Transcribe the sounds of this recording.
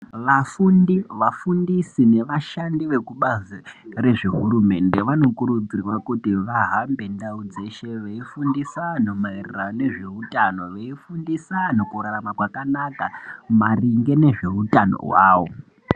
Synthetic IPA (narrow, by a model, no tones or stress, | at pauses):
ʋafundiʋafundisine̞ʋaʃandiʋe̞kuɓazire̞ʐiɦuɾume̞nde̞ʋano̞kuɾud͡zirwakutiʋaɦambe̞ndaud͡ze̞ʃe̞ʋeifundisanomairirane̞ʐe̞utano̞ʋeifundisanokuɾaɾamakwakanakamariŋɡe̞ne̞ʐe̞utano̞̰wa̰ːʋo̰